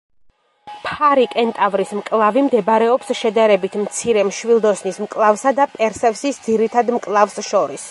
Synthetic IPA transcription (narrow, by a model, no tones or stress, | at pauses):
pʰaɾikʼɛnt̪ʼavɾismkʼlˠavimd̪ɛbɾɛɔpsʃɛd̪aɾɛbit̪ʰmt̪sʰiɾɛmʃwilˠd̪ɔsnismkʼlˠavsad̪apʼɛɾsɛfsisd̪ziɾit̪ʰad̪mkʼlˠafsʃɔɾis